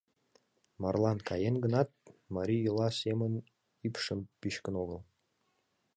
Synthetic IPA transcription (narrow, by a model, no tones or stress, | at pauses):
mɑrlˠɑnkɑjenɡənɑt̪̚mɑɾʲijulɑsemən | ipʃəmpiɕkənoɣəlˠ